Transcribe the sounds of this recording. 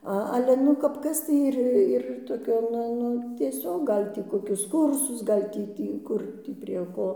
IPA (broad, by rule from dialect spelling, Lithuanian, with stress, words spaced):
ˈɐ ˈɑːlʲɛ ˈnʊ kɐp ˈkɐs tɐɪ ˈɪr ɪr toːˈkʲoː ˈnʊ ˈnʊ tʲiɛˈsʲoːk ˈɡɐlʲ tʲiː ˈkoːkʲʊs ˈkʊrsʊs ˈɡɐlʲ tʲiː ˈtʲiː ˈkʊr tʲiː pʲrʲiɛ ˈkoː